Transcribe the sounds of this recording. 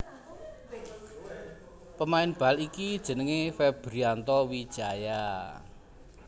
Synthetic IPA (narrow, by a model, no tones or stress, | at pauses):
pəmaɪnb̥alikid̥ʒ̥ə̤nəŋefeb̥ɾiant̪ɔwid̥ʒ̥a̤ja